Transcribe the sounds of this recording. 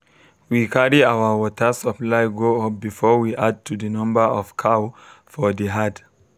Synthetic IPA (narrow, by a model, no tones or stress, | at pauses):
wikʰaɹiawəwɔtʰə˞səplaɪɡoop̚bifɔwiʔad̚tʰuðənʌ̃mbə˞ɔv̥kʰawfɔðiɦad